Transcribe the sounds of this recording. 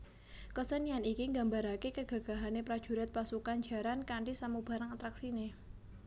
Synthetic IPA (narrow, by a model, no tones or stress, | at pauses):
kəsənianikiŋɡa̤mbaɾakekəɡ̥ä̤ɡ̥a̤ɦanepɾad̥ʒ̥ṳɾɛt̪̚pasukand͡ʒ̥a̤ɾankaɳɖisamub̥a̤ɾaŋat̪ɾaksine